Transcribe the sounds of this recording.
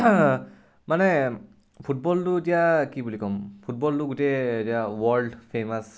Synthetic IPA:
manɛ | pʰut̚bɔltʊetijakibulikɔmpʰut̚bɔltuɡutɛtiawɔɹlɖpʰemas

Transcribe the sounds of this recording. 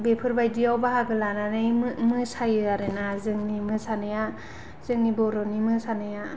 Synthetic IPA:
bepʰɯɾbajdiawbaɦaɡɯlananɯjmɯmɯsajɯaɾenazɯŋnimɯsanɯja | z̥ɯŋnibɔɾɔnimɯsanɯja

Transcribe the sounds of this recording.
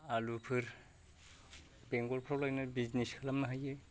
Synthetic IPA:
alupʰɯɾ | beŋɡɔlpʰɾawlajnɯbizniskʰalamnaɦaje

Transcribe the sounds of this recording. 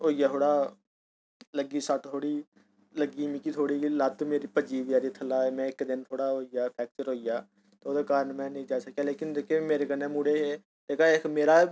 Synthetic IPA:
ɦoːijaːt̪ʰoːɽaː | ləɡiːsəʈt̪ʰoːɽiː | ləɡiːmikiːt̪ʰoːɽiːlət̪meːɾiːpəd͡ʒiːʋjaːɾiːt̪ʰəlaːemɛ̃ːɪkd̪ɪnt̪ʰoːɽaːɦoːijaːpʰɛːk̚ʈəɾɦoːijaː | t̪ːoːd̪aːkaːɾənmɛ̃ːnĩːd͡ʒaːsəkːaːleːkɪnd̪ekemeːɾeːkənːeːmuːɽeːɦeː | t̪eːkaːekmeːɾaː

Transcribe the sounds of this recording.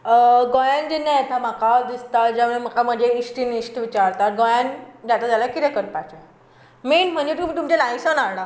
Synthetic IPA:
ɡojand͡ʑenːajet̪ʰamakad̪ist̪at̪d͡ʑaʋɭem̤əkam̤əeisʈinisʈʋit͡ɕaɾt̪at̪ɡojand͡ʑjat̪ad̪alakit̪ɛkəɾpat͡ɕe | menm̤əɳd͡ʑet̪umit̪umt͡ɕelajsənaɾɽa

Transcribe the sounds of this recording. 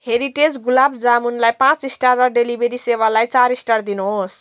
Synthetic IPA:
heɾiʈed͡zɡulabd͡zamunlajpãt͡sisʈarːʌɖelibʱeɾisewalajt͡saɾisʈard̪inuɦos

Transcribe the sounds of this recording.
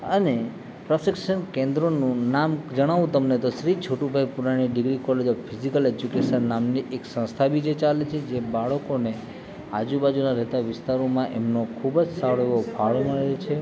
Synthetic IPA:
əne | pɾəʃɪkʃənkẽnd̪ɾonũnamd͡ʒəɽ̃aʋũt̪əmnet̪oʃɾit͡ʃʰoʈubʱajpuɾañiɖɪɡɾikɔled͡ʒɔbpʰizikəled͡ʒjukeʃənːamniʔeksə̃st̪ʰabid͡ʒet͡ʃalet͡ʃʰed͡ʒebaɭəkone | a̰d͡ʒubad͡ʒunaɾɛɦt̪aʋɪst̪aɾomãʔemnokʰubd͡ʒsaɭeʋobʱaɭoməɭet͡ʃʰe

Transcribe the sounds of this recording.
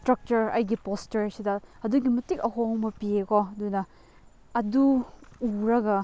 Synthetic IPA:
stɾɐk̚t͡ʃɐɾɐjɡipostɐɾsidɐhɐduɡimɐtikɐɦoŋmɐpiekoɐdunɐ | ɐduuɾɐɡɐ

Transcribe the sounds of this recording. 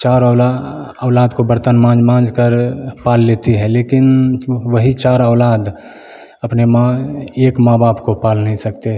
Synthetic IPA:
t͡ʃaːɾla | ɔːlaːd̪kobəɾt̪ənmãːd͡ʒmãːd͡ʒkəɾpaːlːeːt̪iɦɛleːkɪnʋəɦit͡ʃaːɾəːlaːd̪ | əpnemãeːkmaːbaːpkopaːlnəɦĩsək̚t̪eɦ

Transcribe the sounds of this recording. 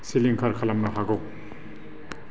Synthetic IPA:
siliŋkʰaɾkʰalɐmnɐɦaɡɔ

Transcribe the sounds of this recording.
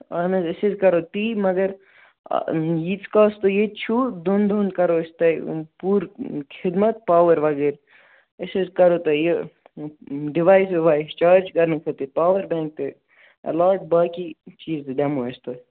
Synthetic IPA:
aːnɐzɪsezkɐɾot̪iːmɐɡɐɾ̰ | jit͡sʰkaːst̪ojet͡ʃʰud̪ond̪ond̪̚kɐɾoɪst̪ɐjpuːɾkʰɪd̪mɐt̪̚paːʋɐɾʋɐɡeːɾ | ɪsezkɐɾot̪ɐje | ɖiʋaːjsɪʋaːjst͡ʃaːɾd͡ʒɡɐɾnkʰɐt̪ipaːʋɐɾbɛ̃ːŋk̚t̪e | ɐ̰laːʈ̚baːkit͡ʃiːzɖɐmoɐst̪o

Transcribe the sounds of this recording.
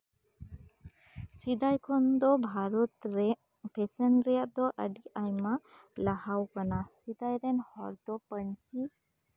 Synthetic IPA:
sid̪ajkʰɔnd̪ɔbʱaɾɔt̪ɾɛ | pʰɛsənɾɛjaʔd̪ɔʔəɖiajma | lahawkanasid̪ajɾɛnhɔɾd̪ɔpəɲt͡ʃi

